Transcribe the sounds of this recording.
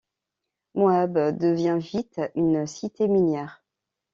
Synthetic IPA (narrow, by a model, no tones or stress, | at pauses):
moabd̪əvjɛ̃vit̪ynsit̪eminjɛʁ